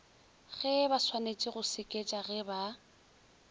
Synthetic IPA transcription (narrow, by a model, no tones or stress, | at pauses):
ɣɛbaswanet͡ʃʼɪɣʊsɪkʼet͡ʃʼaɣɛba